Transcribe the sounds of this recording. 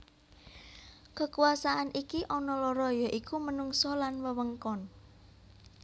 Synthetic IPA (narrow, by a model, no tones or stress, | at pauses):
kəkuasaʔanikiʔɔnɔlɔɾɔjɔʔikumənuŋsɔlanwəwəŋkɔn